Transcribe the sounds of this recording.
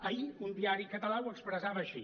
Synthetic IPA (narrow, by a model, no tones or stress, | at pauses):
əiund̪iaɾikət̪əlawəkspɾəzaβəːʃḭ